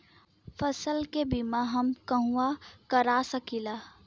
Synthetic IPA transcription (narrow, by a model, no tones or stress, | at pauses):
pʰəsəlkebimaɦəmkəɦũakəɾasəkila